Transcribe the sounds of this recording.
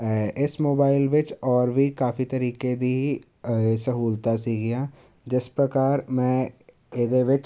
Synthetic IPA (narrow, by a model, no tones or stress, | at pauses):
ɪsmoːbaːɪlʋɪt͡ʃɔːɾbʱikaːfit̪ɐɾiːked̪iɦ | səɦuːlt̪asiːɡɪjãː | d͡ʒɪspɾəkaːɾmɛ̃ː | ed̪eʋɪt͡ʃ